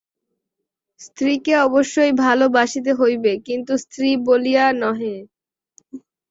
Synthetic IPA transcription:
st̪ɾikeɔboʃːojbʱalobaʃit̪̬eɦojbekint̪ust̪ɾibolijanɔɦe

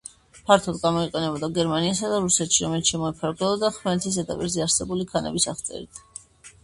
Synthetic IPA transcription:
pʰaɾt̪ʰɔd̪ɡamɔiqʼɛnɛbɔd̪aɡɛɾmaniasad̪aɾusɛt̪ʃiɾɔmɛlit̪ʃɛmɔɛpʰaɾɡɛlˠɔd̪aχmɛt̪ʰis̬ɛt̪ʰa̰pʼḭɾzɛaɾsɛbulikʰanɛ̰bisaʁt̪sʼɛ̰ɾḭt̪ʰ

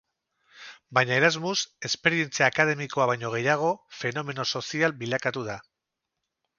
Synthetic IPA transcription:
bajɲae̞ɾazmuse̞spe̞ɾie̞nt͡siaːkað̞e̞miko̞aβajɲo̞ɣ̞e̞jaɣ̞o̞fe̞no̞me̞no̞so̞sialbilakat̪uða

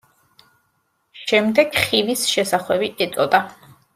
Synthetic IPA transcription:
ʃɛmd̪ɛɡχivisʃɛsaχwɛbiʔɛt̪sʼɔd̪a

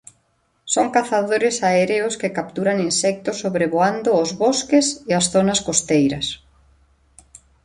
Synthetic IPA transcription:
soŋkaθaðoɾɪsaeɾeʊskɪkapt̪uɾaŋinsɛk̚t̪ʊsːoβɾeβoand̪oːzβoskeseasθonaskost̪ejɾɐ̰s

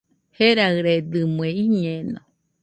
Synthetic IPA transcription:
heɾaɾed̪ɨmɨeiɲeno̰

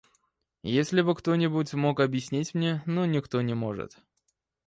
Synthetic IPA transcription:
jesʲlʲɪbɨkt̪o̞nʲɪbʊtʲmo̞kɐbjɪsʲnʲitʲmnʲenonʲɪkt̪o̞nʲɪmo̞ʐɨ̰t̪

